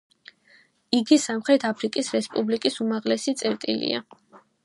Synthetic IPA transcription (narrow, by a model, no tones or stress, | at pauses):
iɡisamχɾɛt̪ʰapʰɾikʼisɾɛspʼublikʼisumaʁlɛsit̪sʼɛɾt̪ʼḭlḭa̰